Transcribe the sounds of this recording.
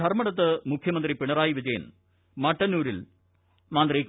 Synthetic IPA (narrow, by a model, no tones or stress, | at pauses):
ɐrmɐɽɐt̪̬ːɨmukʰjɐmɐnd̪ripiɳɐraːjiʋid͡ʑɐjɐ̰n | mɐʈːɐnːuːɾil | maːnd̪riːk